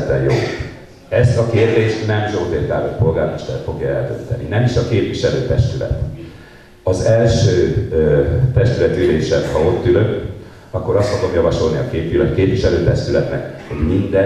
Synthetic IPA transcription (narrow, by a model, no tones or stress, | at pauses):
t̪ːɛjjo̰ː | ɛst̪ɒkeːrd̪eːʃnɛmʒoːt̪eːrk̪a̰ːlot̪po̞lɡaːrmoʃt̪ɛ̰rt̪fo̞ɡjɒɛ̰ld̪ø̰nt̪ɛ̰nḭnɛmiʃɒkeːpviʃɛløːt̪ɛʃt̪ylɛ̰t̪ | ɒzɛlʃøː | t̪ɛʃt̪ylɛt̪yleːʃɛmhɒo̞t̪ːylø̞k | ɒkːo̞ɾɒst̪foɡo̞mjɒvɒʃo̞lniɒkeːpvilɛ̰keːpʋiʃɛløːt̪ɛʃt̪ylɛt̪nɛkho̞ɟmind̪ɛ